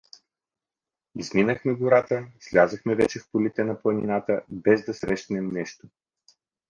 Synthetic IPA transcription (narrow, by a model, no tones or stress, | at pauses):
izminəxmɛɡoɾat̪əslʲazəxmɛvɛt͡ʃɛfpolit̪ɛnɐplˠɐninat̪əbɛzd̪ɐsɾɛʃt̪nɛmnɛʃt̪o̥